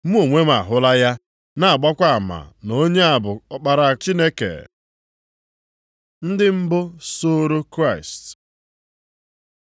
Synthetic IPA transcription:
m̩˦o˨ŋʷe˦m˦a̰˨ɦʊ˦la˦ja˦ | na˨a˨ɡ͡bɔ˦kʷa˦a˨ma̰˨no˦ɲe˦a˨bʊ˨ɔ˨k͡pa˨ɾa˨t͡ʃi˦ne˦kḛ˨ | n̩˦dɪ˦m̩˦bʊ˦so˦ɾo˦kɾa˦˨ɪ˨st

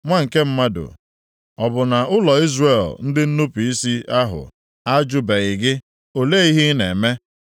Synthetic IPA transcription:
ŋʷa˦ŋ̩˨ke˦m̩˦ma˦dʊ̰˨ | ɔ˨bʊ˨na˨ʔʊ˦lɔ˨i˦zre˨ln̩˦dɪ˦n̩˦nu˦pi˦si˦a˦ɦʊ̰˨ | a˦d͡ʒʊ˦be˨ɪ˨ɡɪ˦ | o˨le˦i˦ɦi˦ne˨me˦

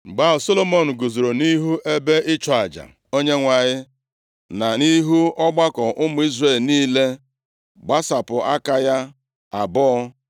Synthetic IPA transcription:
ɡ͡ba˦ʊ˨so˦lo˦mo˦˨n̩˨ɡo˨zo˨ɾo˨ni˦ɦu˦ʔe˦be˦ɪ˦t͡ʃɔ˨a˨d͡ʒa̰˨ | o˦ɲe˦ŋʷa˨ɲɪ˦ | na˨ni˦ɦu˦ɔ˦ɡ͡ba˦kɔ˨ʔʊ˦mʊ˨˦i˦zre˦˨lniː˦le˦ | ɡ͡ba˦sa˨pʊ˨a˦ka˦ja˦ | a˨bɔ˦ɔ˦

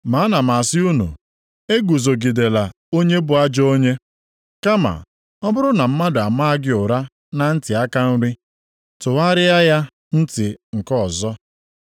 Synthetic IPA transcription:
ma˨˦na˨ma˨a˨sɪ˦u˦nṵ˨ | e˦ɡu˨zo˨ɡi˨de˨la˨ | o˦ɲe˦bʊ˨a˦d͡ʒɔ˦o˦ɲe˦ | ka˦ma̰˨ | ɔ˦bʊ˦ɾʊ˦na˨m̩˦ma˦dʊ˨a˨ma˦a˦ɡɪ˦ʊ˨ɾa˦ | na˦n̩˦tɪ˨a˦ka˦n̩˦ɾi˦ | tʊ˨wa˦ɾɪ˦a˦ja˦ | n̩˦tɪ˨ŋ̩˨kɔ˦˨zɔ˦

